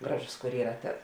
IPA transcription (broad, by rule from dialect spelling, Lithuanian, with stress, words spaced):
ˈɡrɑːˌʒʊs kʊr ˈiːrɐ ˈtɐs